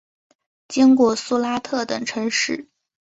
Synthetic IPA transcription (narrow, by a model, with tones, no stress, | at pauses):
t͡ɕi˥ŋkwɔ˥˩su˥˧la˥t̪ʰɤ˥˩t̪ɤ˨˩ŋʈ͡ʂʰɤ˧˥ŋʂɻ̩˥˩